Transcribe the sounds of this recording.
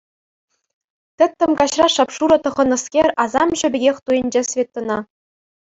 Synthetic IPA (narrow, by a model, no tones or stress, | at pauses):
t̪ʲɘ̆t̪ʲːɘ̆mkɑɕrɑʂɑpʂuɾɤ̆t̪ɤ̆ʁɤ̆nɤ̆skʲerʲɑzɑmʑɵ̆bʲɘ̆ɡʲexʲt̪ujɘ̆nʲd͡ʑesʲvʲet̪ːɤ̆nɑ